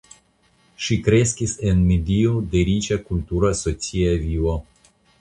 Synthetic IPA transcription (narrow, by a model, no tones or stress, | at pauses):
ʃikɾe̞skisenmed̪iod̪eɾit͡ʃakult̪uɾasot͡siaviwa